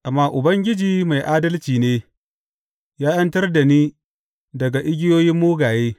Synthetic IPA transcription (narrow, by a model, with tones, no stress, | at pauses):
ʔa˨mːaː˦ʔʊ˨bɐ˦ŋɡʲɪ˦d͡ʒiː˨ma˨jʔaː˦dɐ˦lt͡ʃiː˨neː˦ | jaː˦jɐ˦ntɐ˦rda˨niː˦ | dɐ˨ɡa˨ʔɪ˦ɡʲɪ˦joː˦jɪ˦mːoː˦ɡaː˨jeː˦